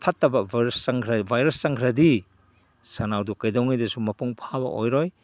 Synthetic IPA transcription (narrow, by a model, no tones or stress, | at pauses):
pʰɐtːɐbɐbɾɐsːɐŋkʰɾɐbʱajɾɐst͡ʃɐŋkʰɾɐdi | sɐnawdukɐjdowŋijdɐsumɐpuŋpʰabɐ̰ʔo̰jɾɔj